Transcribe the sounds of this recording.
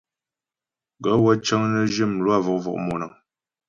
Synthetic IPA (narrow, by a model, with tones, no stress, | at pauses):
ɡə˨˦wə˦t͡ʃə˦ŋnə˦d͡ʒə˦˨mlwa˦˨vɔ˨ʔvɔ̰˨ʔmɔ˨nə˨